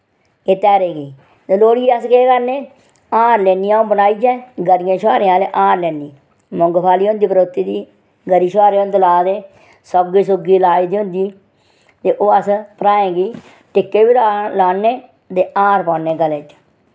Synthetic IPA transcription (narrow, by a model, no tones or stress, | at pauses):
eːt̪ɛːɾeːɡiː | t̪eːloːɽiːəskeːkəɾneː | ãːɾlɛːnijãːõːbənaːiːd͡ʒɛ̃ːɡəɾɪjãːʃaːɾẽːãːlḛːʔãːɾlɛːniː | mʊŋɡpʰaːliːɦʊ̃nd̪iːpəɾoːt̪iːd̪iː | ɡəɾiːʃaːɾeːont̪əlaːd̪eː | sɔɡiːsʊɡiːlaːiːd̪iːɦʊ̃nd̪iː | t̪eːʔoːəspəɾaːẽːɡiː | ʈɪkːeːbiːlalaːnːeː | t̪eːãːɾpɔːneːɡəleːt͡ʃ